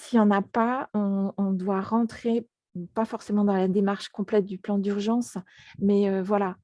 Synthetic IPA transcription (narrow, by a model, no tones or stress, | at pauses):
sijɑ̃napaɔ̃ɔ̃d̪waʁɑ̃t̪χe | pafɔʁsemɑ̃d̪ɑ̃lad̪emaʁʃkɔ̃plɛt̪̚d̪yplɑ̃d̪yʁʒɑ̃smɛøvwala